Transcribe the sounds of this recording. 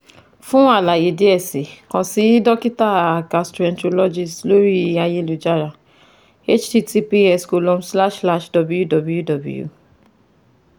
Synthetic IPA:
fũ˦a˦˨la˨je˨de˨˦ɛ˦˨si˨kɔ̃˨si˨˦dɔ˦ki˦ta˦˨a˨ka˧stɾu˨ɛ̃˧nto˧lɔ˦d͡ʒi˧˨slo˦ɾi˦˧˦a˧je˦lu˨d͡ʒa˦˨ɾa˨ | e˦t͡ʃti˦ti˧pi˦ɛ˧sko˧lɔ̃˧m̩˦sla˦ʃla˦ʃdɔ˨bu˦ju˦dɔ˨bu˦ju˦dɔ˨bṵ˦jṵ˦˨

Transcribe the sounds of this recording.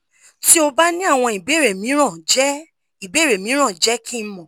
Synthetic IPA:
ti˦o˧ba˦nĩ˦a˦˨w̃ɔ̃˧i˨be˦˨ɾe˨mĩ˨˦ɾ̃ã˦˨d͡ʒɛ˦ | i˨be˦˨ɾe˨mĩ˨˦ɾ̃ã˦˨d͡ʒɛ˦kʰĩ˦mɔ̃˨

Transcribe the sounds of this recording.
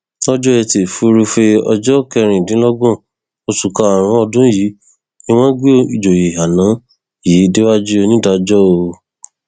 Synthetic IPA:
ɔ˦d͡ʒɔ˦ɛ˧te˨fu˧˦ɾu˧fe˧ɔ̰˧d͡ʒɔ˦kɛ˧ɾ̃ĩ˨dĩ˨˦lɔ˦ɡɔ̃˦˨ | o˧tu˨ka˧˨ɾ̃ã˨˦ɔ˧dũ˦ji˨˦ | nĩ˦w̃ɔ̃˦ɡe˦˨i˨d͡ʒo˨je˨ɦa˨nã˨˦ | jiː˨˦de˦wa˦d͡ʒu˦o˧nĩ˦da˧d͡ʒɔ˦o˧

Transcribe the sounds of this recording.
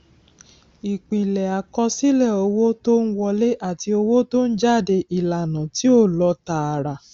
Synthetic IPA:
i˨k͡pĩ˨lɛ˨a˨kɔ˧si˦lɛ˦˨o˧wo˦to˦n̩˦wɔ˧le˦ʔa˦˨ti˧o˧wo˦to˦n̩˦d͡ʒa˦˨de˧ʔi˨la˨nã˨ti˨˦o˦˨lɔ˧ta˨a˨ɾa˨

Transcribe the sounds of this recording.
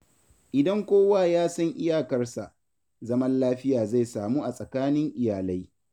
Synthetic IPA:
ʔɪ˨dɐ˦ŋkʷoː˦waː˦˨jaː˦sɐ˦ŋʔɪ˦jaː˨kɐ˦rsa̰˨ʔ | zɐ˦mɐ˦nlaː˦ɸɪ˦jaː˨za˦˨jsaː˨muː˦ʔa˨sʼɐ˨kaː˦nɪ˦ŋʔɪ˨jaː˨la˦j

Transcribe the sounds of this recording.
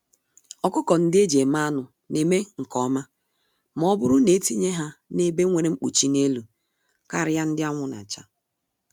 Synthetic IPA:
ɔ˨kʊ˦kɔ˨n̩˦dɪ˦e˦d͡ʒe˨ma˦nʊ˨ | ne˨me˦ŋ̩˨kɔ˨˦ma˦ | m˦ɔ˦bʊ˦ɾʊ˦ne˨˦ti˦ɲe˦ɦa˦ne˦˨be˦ŋʷe˨ɾe˦ŋ͡m̩˦k͡pṵ˨t͡ʃi˨ne˦lu˨ | ka˦˨ɾɪ˦ja˦n̩˦dɪ˦a˦ŋʷʊ˦na̰˨t͡ʃa˦

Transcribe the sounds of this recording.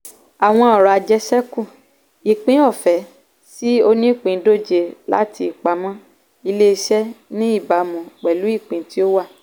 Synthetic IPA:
a˨w̃ɔ̃˧ɔ˨ɾa˨a˧d͡ʒɛ˦ʃɛ˦kũ˦˨ | i˨k͡pĩ˨˦ɔ˦˨fɛ˨ | si˦o˧nĩ˦˨k͡pĩ˨˦do˦˨d͡ʒe˧la̰˦ti˧i˨k͡pa˨˦mɔ̃˦ | i˧le˦˧ʃɛ˦nĩ˦i˦˨ba˨mũ˨k͡pɛ˨lu˨˦i˦˨k͡pĩ˨ti˦o˦wa˦˨

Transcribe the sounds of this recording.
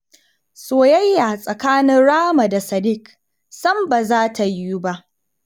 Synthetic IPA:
soː˨jɐ˦jːa˨sʼɐ˨kaː˦nɪ˦nɽaː˦ma˨da˨sɐ˨dɪ˦k | sɐ˦mba˨zaː˦tʰa˨jːu˦ba˦ʔ

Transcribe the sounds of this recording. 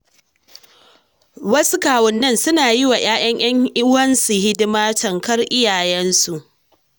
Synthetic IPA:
wɐ˦su˦kaː˨wʊ˨nːɐ˦nsʊ˦naː˨jiɪ˦wa˨j̰aː˦ʔɐ˦ɲʔɐ˦ŋʔɪ˦wɐ˦nsu˨hɪ˦dɪ˦maː˦tɐ˨ŋkɐ˦rʔɪ˦jaː˨jɛ˦nsu˨ʔ

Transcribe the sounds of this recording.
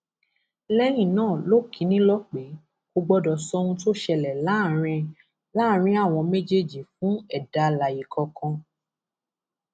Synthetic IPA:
lɛ˦j̃ĩ˦˨nãː˦˨lo˦˨kĩ˨˦nĩ˦lɔ˦k͡pe˨˦ | ko˧ɡ͡bɔ˦dɔ˨sɔ˧˦ũ˧to˦˨ʃɛ˧lɛ˨la˨˦˨ɾ̃ɛ̃˧ | la˦˨ɾ̃ĩ˦a˦˨w̃ɔ̃˧me˦d͡ʒe˦˨d͡ʒi˨fũ˦ɛ˦˨da˨˧la˨ji˨kɔ˧kɔ̃˧

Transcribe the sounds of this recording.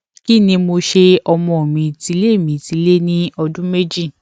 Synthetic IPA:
ki˦˨nĩ˧mo˧ʃe˧ɔ˧mɔ̃˧o˨mĩ˧ti˧˦le˦˨mĩ˨˦ti˧˦le˦nĩ˦ɔ˧dũ˦me˦d͡ʒi˦˨

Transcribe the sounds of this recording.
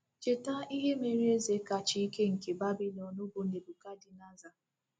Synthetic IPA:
t͡ʃe˨ta˦i˦ɦe˦me˨ɾi˦e˦ze˨˦ka˨t͡ʃi˦ke˦ŋ̩˨ke˨ba˦bi˦lɔ˨nu˦bo˨ne˨bu˨ka˦di˨na˦za˨

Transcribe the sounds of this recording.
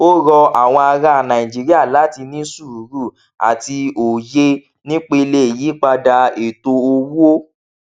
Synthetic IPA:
o˦ɾɔ˧a˨w̃ɔ̃˧a˧ɾa˧˨nã˨ĩ˨d͡ʒi˨˦ɾi˦a˦˨la˨˦ti˧nĩ˦su˦˨ɾu˨˦ɾu˦˨ | a̰˨ti˧o˨je˧˦ | nĩ˦k͡pe˧i˧le˧e˨ji˨˦k͡pa˧da˧e˨to˧o˧wu˦o˦

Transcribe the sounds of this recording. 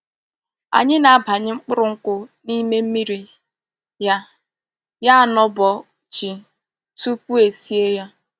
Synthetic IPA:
a̰˨ɲɪ˦na˨a˦bʱa˨ɲɪ˦ŋ͡m̩˦k͡pʊ˦ɾʊ˨ŋ̩˦kʷʊ˦ni˦me˦m̩˦mi˦ɾi˨ | ja˦ | ja˦a˨nɔ˦bɔ˨ | t͡ʃi˨ | tu˦pu˦e˨si˦e˦ja˦

